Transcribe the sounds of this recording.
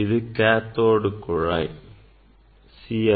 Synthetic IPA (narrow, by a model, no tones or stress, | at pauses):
iðɨkaːt̪ːoːɽukːuɻa̰j | siɐ